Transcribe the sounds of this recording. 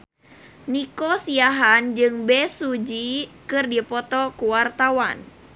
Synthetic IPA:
nikɔsiaɦand͡ʒɨŋbɛsud͡ʒikɨrdipɔt̪ɔkuwart̪awan

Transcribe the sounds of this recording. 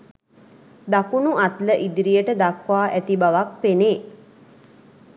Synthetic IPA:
d̪akunuʔat̪ləʔid̪ɾijəʈəd̪akʋaːʔæt̪ibaʋak̚peneː

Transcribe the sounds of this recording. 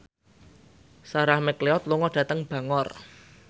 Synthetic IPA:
saɾahmɛkleɔt̪̚luŋɔd̥ä̤t̪əŋb̥a̤ŋɔr

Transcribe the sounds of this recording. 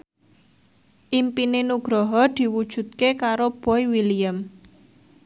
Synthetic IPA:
ʔimpinenuɡ̥ɾɔɦɔd̪̥i̤wud̥ʒ̥ṳt̪̚kekaɾob̥ɔiwilijəm

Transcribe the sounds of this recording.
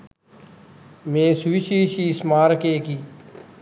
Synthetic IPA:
mẽːsʋiʃiːʃiːsmaːɾkeːkiː

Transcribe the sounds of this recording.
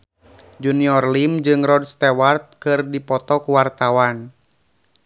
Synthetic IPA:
d͡ʒuniɔrlimd͡ʒɨŋrɔdst̪ɛwart̪̚kɨrdipɔt̪ɔkuwart̪awan

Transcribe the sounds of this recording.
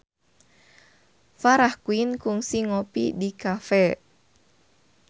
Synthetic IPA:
faɾahkuinkʊŋsiŋopḭdikafɛ

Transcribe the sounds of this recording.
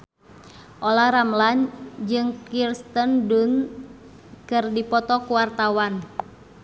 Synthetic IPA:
ʔolahɾamland͡ʒɨŋkirst̪əndun | kɨrdipɔt̪ɔkuwart̪awan

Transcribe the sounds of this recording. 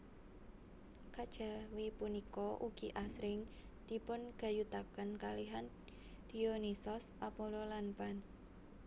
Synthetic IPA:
kad̥ʒ̥a̤wipunikɔʔuɡ̥iʔasɾɪŋ | d̪̥i̤pʊnɡ̥a̤jut̪akənkaliɦan | d̪̥ionisɔsʔapololanpan

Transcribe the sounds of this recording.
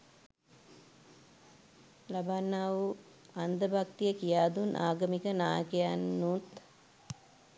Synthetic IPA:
labaːnːaːʋu | and̪əbakt̪ijəkijaːd̪unʔa̰ːɡəmikənaːjə̰kejanːut̪

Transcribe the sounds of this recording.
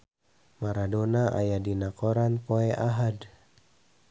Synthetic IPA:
maɾadɔnaʔa̰jadinakɔɾanpɔɛʔaɦad

